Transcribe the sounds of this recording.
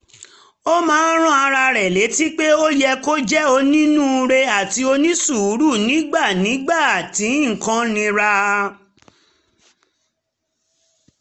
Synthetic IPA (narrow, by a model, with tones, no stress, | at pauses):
o˦mãː˦ɾ̃ɔ̃˦a˧ɾa˧ɾɛ˨le˨˦ti˦k͡pe˦o˦jɛ˧ko˦d͡ʒɛ˦o˧nĩ˦nũ˦˧ɾe˧a˨ti˧o˧nĩ˦su˦˨u˨˦ɾu˦˨nĩ˨˦ɡ͡ba˦˨nĩ˨˦ɡ͡ba˦˨a˨tĩ˨˦˨kã˧nĩ˧ɾa˧